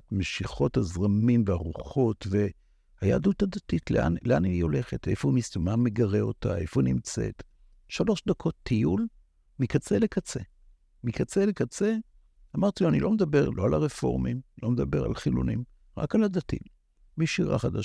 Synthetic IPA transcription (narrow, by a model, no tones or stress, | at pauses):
tmeʃiχo̞thazʁamimveaʁuχo̞tve̞ | haja̰duthadatitlḛa̰nleanijo̞le̞χete̞̰founistmame̞ɡaʁe̞o̞̰ta̰efounimt͡se̞̰t̪ | ʃalo̞ʃd̪akʰo̞t̪ʰːijul | mikat͡se̞lekat͡se̞ | mikat͡sele̞kat͡se̞ | amaʁt̪iloanḭlo̞med̪abe̞ʁlʔo̞alaʁefo̞̰ʁmimlo̞med̪abe̞ʁa̰lχilṵnḭm | ʁa̰kaladatḭ | miʃiʁa̰χada